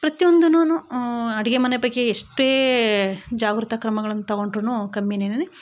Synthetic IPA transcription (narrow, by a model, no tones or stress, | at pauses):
pɾɐt̪iond̪ununuɐɽiɡemɐnepɐɡːeːʂʈʋeː | d͡ʒaːɡɾut̪ɐkɾɐmɐɡɐɭɐnːut̪ɐɣo̞ɳʈɾunukɐmjenenene